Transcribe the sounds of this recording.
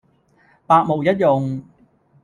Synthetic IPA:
paː˧k̚mo˨˩wjɐ˥t̚jʊ˨ŋ

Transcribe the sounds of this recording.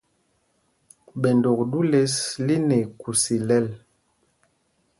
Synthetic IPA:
ɓɛ˨ndo˨kdu˦le˦sli˦ne˨ku˨si˨lɛ˦l

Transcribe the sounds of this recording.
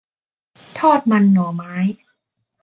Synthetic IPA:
t̪ʰɔː˥˩t̪̚ma˧nːɔː˩˦maː˦˥j

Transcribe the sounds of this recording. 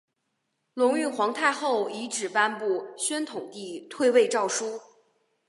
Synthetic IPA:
lʊ˧˥ŋy˥˩xwɑ˧˥ŋt̪ʰa˥˧ɪxo˥˩ʊi˧˥ʈ͡ʂɻ̩˨˩pa˥npu˥˩ɕɥɛ˥nt̪ʰʊ˨˩ŋt̪i˥˧t̪ʰwe˥˧ɪwe˥˧ɪʈ͡ʂɑ˥˩ʊʂu˥

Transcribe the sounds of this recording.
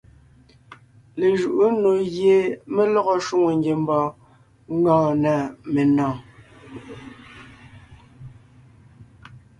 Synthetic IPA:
le˨ʒu˨ʔu˦no˨ɣje˨me˦lɔ˦ɣɔ˦ʃu˦ŋo˨ŋ˦ɡe˨m˦bɔː˨ | ŋ˦ɡɔ̃ː˦˨nɛ˨me˨nɔ̃ː˨

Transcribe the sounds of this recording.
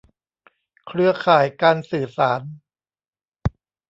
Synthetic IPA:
kʰɾɯ˧ɐkʰaː˨˩˦jkaː˧nsɯː˨˩saː˩˦n

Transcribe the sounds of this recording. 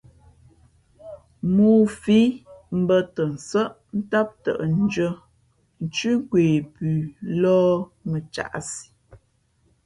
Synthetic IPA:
muː˦˨fi˦m̩˦bə˦tə˨n̩˨sə˦ʔ | n̩˦ta˦p̚tə̰˨ʔn̩˦d͡ʒə˦ | n̩˨t͡ʃʉ˦ɡweː˨bʉː˨lɔ˦mə˨t͡ʃa̰˨ʔsi̥˨

